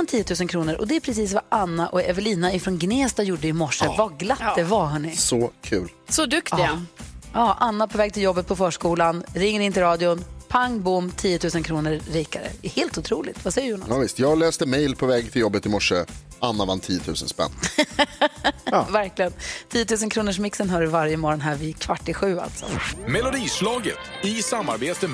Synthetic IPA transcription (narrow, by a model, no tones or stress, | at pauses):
ant̪ʰiːət̪ʰʉ̟ːs̬ənkʰɾuːnəɾʔɔ̰d̪ɛːpʰɾɛs̬iːs̬vaʔanːaʔɔɛvəliːnaɪfɾɔnɡneːst̪ajuɖəɪmɔʂːəvaɡlat̪ːd̪ɛvaɦɵnːɪsɔkʰʉ̟ːlsɔd̪ɵkt̪ɪaɑːʔanːapʰɔvɛːɡt̪ʰɪljɔbːət̪̚pʰɔfœːʂkuːlanɾɪŋːəɾɪnt̪ɪlɾɑːd̪ɪʊnpʰaŋbʊmːt̪ʰiːjːət̪ʰʉ̟ːsənkʰɾuːnəɾːiːkaɾə̰ɛheːlt̪ʊt̪ʰɾuːlɪɡt̪vasɛjːəɾjuːna̰aːvɪst̪jɑːɡlɛːst̪əmɛjlpʰɔvɛːɡt̪ʰɪljɔbːət̪ɪmɔʂəʔanːavant̪ʰiːət̪ʰʉ̟ːsə̰nspɛ̰nː | væɾklɪənt̪ʰiːjːət̪ʰʉ̟ːs̬ənkʰɾuːnəʂmɪksənɦœːɖəvaɾjəmɔːɾɔnɦæːɾvɪkʰvaʈːɪɧʉ̟ːa̰lt̪sɔ̰mɛlʊd̪iːslɑːɡə̰t̪ | ɪsamːaɾbeːt̪ə